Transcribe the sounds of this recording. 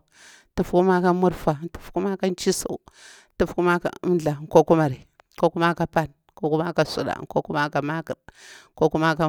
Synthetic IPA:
tu˦fku˦ma˦ka˦mu˦ɾfa˨˦tu̥˨fku˦ma˦ka˦n˦t͡ʃi˦sṵ˨ | tu˦fku˦ma˦ka̰˨u˦mɮa˨ko˦ku˦ma˨ɾi˨ | ko˦ku˦ma˦ka˨pa˦˨n | ko˦ku˦ma˦ka˨sṵ˨ɗa̰˨ko˦ku˦ma˦ka˨ma˦ki˨ɾko˦ku˦ma˦ka˨

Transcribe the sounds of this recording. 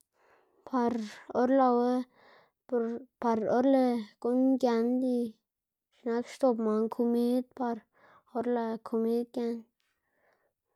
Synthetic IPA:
pa˧ɾo˦ɾla˧we˦ | pa˧ɾo˦ɾle˧ku˦nɡʲa˧nd̪i˧ | ʃna˦kʃt̪o˧˨pma˨ŋkʰu˧mi˦d̪̚pa˧ɾ | o˦ɾla˧kʰo˧mi˦d̪̚kja˧n

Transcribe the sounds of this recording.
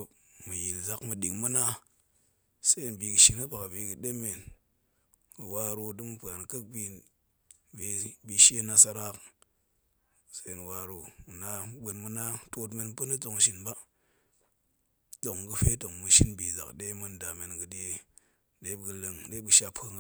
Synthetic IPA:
o˨mɨ˨ji˨lza˨kmɨ˨ɗi˨ŋmu˦na˦ | sa˦i˨nbi˨ɡɨ˨ʃi˨nɨ˦ba˨kbi˨˦ɡɨ˨ɗe˦me˨n | ɡɨ˨wa˧ɾo˧dɨ˦mɨ˦pɨ˨a˨nkə˦k̚bi˧ | bi˨bi˨ʃe˦na˧sa˧ɾa˦k | se˦i˨n˨wa˨ɾo˨u˨na˨˦ɓə˨nmu˦na˦to˦t̬me˦˧n˦pə˦nɨ˦d͡zo˨ŋʃi˦nba˦ | do˨ŋɡɨ˧fe˦to˨ŋmu˧ʃi˦nbi˨za̰˨kɗe˦mɨ˧nda˨me˨nɡɨ˨de˦ | ɗe˦bɡɨ˨lɨ˨ŋɗe˦ɨ˨ʃa˦pʰɨ˦ŋ˦

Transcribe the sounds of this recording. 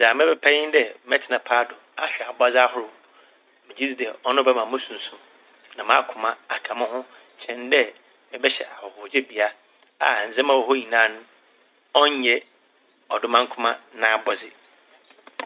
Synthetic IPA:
za˨mɪ̃˦bɛ˦pʰɛ˦ɲɪ˦ndɛ˨mɛ˦tʰɪ˨nã˨pʰaː˦dʊ˨a̰˨ɕᶣɛ˨a˨ba˦d͡zɪ˦a˦ɦʊ˦ɾʊ˨ | mɪ̃˨d͡ʑi˦d͡zi˦˨dɛ˨ɔ˦nʊ̃˦bɛ˦˨mã˨˦mʊ̃˦sũ˨n˨sũ˨m | nã˨mã˦kʰʊ̃˨mã˨a˨kʰã˨mɪ̃˦hʊ̃˦ | t͡ɕʰɛ̃˨ndɛ˦ | mɪ̃˨bɛ˦ɕɛ̰˨ʔa˨hɔ˨hʊ˨d͡ʑɛ˦bi˨a˦ | a̰˨n̩˨zɛ̃˦mã˨wɔ˨ho˦ɲĩ˨nã˦nʊ̃˦ | ɔ˦ɲ˦ɛ˦ | ɔ˨dʊ˦mã˦ŋ˦kʰʊ˦mã˦nã˨a˨bɔ˨zɪ˨

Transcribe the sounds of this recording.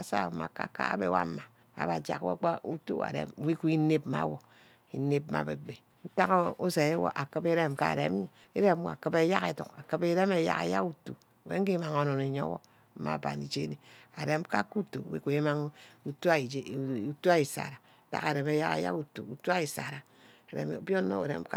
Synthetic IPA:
a˨sa̰˦˨ma̰˨ka̰˦ka̰˦a̰˦bḛ˨wa̰˦ma˨ | a̰˨˦ba˨d͡ʒa̰˦kwo̰˦k͡pa˦u˦tṵ˦a̰˨ɾḛ˨m˨˦wi˦ku˦i˦ne˦pma̰˨˦wo˨ | i˨ne˦p̚ma̰˨be˨ɡ͡be˨ | n̩˦ta˦ko˦o˦se˨e˦wo̰˨ʔa˨kɨ˦pe˦ɾe˦mka˦˨ɾḛ˨˦m˦˨ | e˦ɾe˦m˦˨a̰˨kɨ˦be˦ja˦ke˨tṵ˨ka˨kɨ˦be˦ɾe˦me˨˦ja̰˦ka̰˨ja̰˦ku˨tṵ˨ | wḛ˦ŋ̩˦ki˦ma˨ŋo˨no˨ne˨ɲo̰˦wo̰˦ | ma̰˦˨ba̰˨ni˨d͡ʒe˦ni˦˨a˨ɾe˨˦mka˦ku˦to˨wḭ˦ku˨e˦ma˦ŋ˦u˦tu˦a˦˨˦u˦tu˦a˦i˨sa̰˨ɾa˨ta̰˦ka˨ɾe˨me˦ja̰˦ka̰˦ja̰˦ku˨tu˨u˨tu˦a˦i˨sa˨ɾa˨ | e˨ɾḛ˨m˨˦bjo˦no̰˦ḛ˨ɾḛ˦m˦ka˦

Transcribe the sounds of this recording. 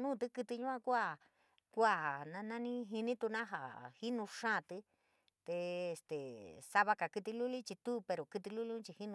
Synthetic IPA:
nũ˦˨t̪ɨ˦kɨ˧t̪i˧ɲũ˦ã˧kʷa˦˧˨ | kʷa˦˧˨nã˧nã˦nĩ˦ɦi˧nĩ˦t̪u˧nã˦ɦa˨hi˦nũ˧ʂã˦˨t̪ɨ˧˦ | t̪e˧e˧˨st̪e˨sa˧βa˧ka˨kɨ˧t̪i˧lu˦li˦t͡ʃi˧t̪u˦pe˧ɾo˨kɨ˧t̪̬i˧lu˦lĩ˦t͡ʃi˧hi˦nũ˧

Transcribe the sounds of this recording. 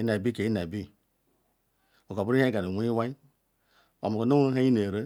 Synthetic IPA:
i˦n˨a˨bi˦ke˨i˦na˨bi˦ | o˨ko˨bu˦ɾi˦e˦ɡa˨ɾi˨wʷu˦i˦wa˦i˦ | o̰˨mu˨ko˨no˦ɦa˦i˦ne˨ɾe˦

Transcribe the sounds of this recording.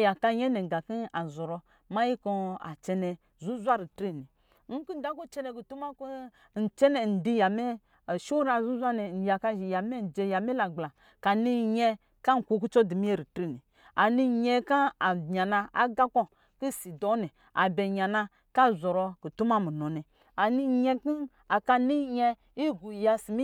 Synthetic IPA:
ja˨ka˧˦ɲɛ˦nɛ˨ɡa˨ki˦a˨zɔ˨ɾɔ˧ | ma˦ji˦kɔ˧a̰˨t͡ʃɛ˧nɛ˧ | zu˦zʷa˦ɾi˨tɾi˦˨ni˨ | ŋ̩˦ki˦da˨˦ku˦t͡ʃɛ˦nɛ˧ku˨tu˦ma˦ku˦ | n̩˨t͡ʃɛ˦nɛ˨n̩˨di˦ja˨mɛ˦˨ | ʃu˦ɾa˨zu˦zʷa˦nɛ˨n̩˨ja˨ka˦ʒi˨ja˨mɛ˦n̩˨d͡ʒɛ˨ja˨mɛ˦la˨ɡ͡bla˨ | ka˨ni˦ɲɛ˧ | ka˦ŋ̩˨ku˨˦ku˦t͡ʃɔ˦di˨mi˦ɛ˦ɾi˨tɾi˦˨ni˨ | a˨ni˧˨ɲɛ˧ka˦a˨ɲa˨na˧a˦ɡa˦kɔ˦ | ki˦˨si˨dɔ˨˦ni˨ | a̰˨bɛ˨ɲa˨na˧ | ka˦˨zɔ˨ɾɔ˧ki˨tu˦ma˦mu˨nɔ˨nɛ˨ | a˨ni˦˨ɲɛ˦ki˦ | a˨ka˧ni˦ɲɛ˧ | i˦ɡu˨ja˧si˨mi˦

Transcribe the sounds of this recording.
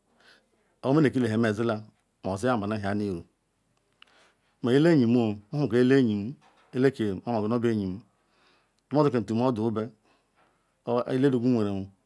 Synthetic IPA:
o˨o˦e˦ne˨ki˦le˨ɦe˨me˨zi˦la˦ | m˨o˨zi˦a˦˨ba˨na˦ɦi˨a˨ni˦˨ɾu˨˦ | me˨ji˦le˦ɲi˨m˦o˦mo˦˨ke˨e˦le˦ɲi˨m˦ | e˦le˦ke˨mo˦o˨e˨no˦be˦˨ɲi˨m˦ | do˦zu˦ke˨n̩˨tu˨m˦o˦du˨u˦be˦ | le˦du˨ɡu˦e˨ɾe˨mu˨

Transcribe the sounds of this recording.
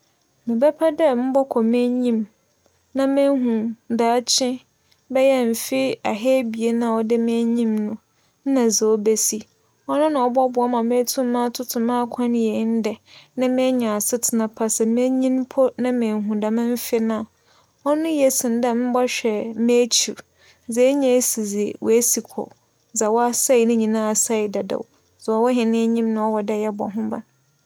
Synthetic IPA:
mɪ̃˨bɛ˦pʰa˦dɛ˦m̩˦bɔ˦kʰɔ˨mẽ˦ɲĩ˦m | nã˦mẽ˦ɦũ˨da˨˦t͡ɕʰɪ̃˦ | bɛ˦jɛ˦m̩˨fɪ˦a˨ɦɛː˦bi˨e˦nã˦˨ɔ˦dɪ˦mẽ˦ɲĩ˦mnʊ̃˨ | n̩˦nã˨zɛ˨o˦be˦si˦ | ɔ˦nʊ̃˦nã˨ɔ˦bɔ˦bʊ˨ɔ˦mã˨mẽ˦tʰũ˦mã˦tʰʊ˦tʰʊ̃˨mã˦kʷʰã˦n˦jɛ˨˦n̩˦dɛ˨nã˦mɛ̃˦ɲã˨a˨sɪ˦tʰɪ˨nã˨pʰa˦sɛ˨mẽ˦ɲĩ˦npʰɔ˦nã˦mẽ˨ɦũ˨da˨mɪ̃˦m̩˦fɪ˦nã˦˨ | ɔ˦nʊ̃˦jɛ˨sɪ̃˨n˨dɛ˦m̩˦bɔ˦ɕᶣɛ˨me˦t͡ɕʰi˨ɾ | d͡zɛ˦ɲã˨e˦si˨d͡zi˨wɔ̰˨e˦si˨kʰɔ̰˨ | d͡za˨wɔ˦a˦sa˦ɪ˨nɪ̃˦ɲĩ˨nã˦a˨sa˦ɪ˨da˨da̰˨w | d͡zɔ˨wɔ˦ɦɪ̃˨nɪ̃˦ɲĩ˦mnã˨˦ɔ˦wɔ˨dɛ˦˨jɛ˦bɔ̰˨ɦʊ̃˦ba̰˨n

